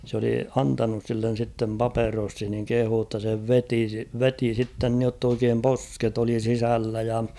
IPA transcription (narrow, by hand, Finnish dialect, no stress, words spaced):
s oli ɑntɑnus silːen̞ sitːem pɑperosːin niŋ kehuː tːɑ se ʋeti ʋeti sitːen niotː oikeːm posket oli sisælːæ jɑ